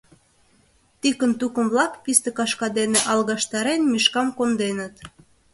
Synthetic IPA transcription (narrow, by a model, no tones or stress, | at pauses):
t̪ikənt̪ukə̆mβlɑkpist̪ĕkɑʃkɑd̪eneʔɑlˠɣɑʃt̪ɑɾenmiʃkɑmkond̪enə̆t̪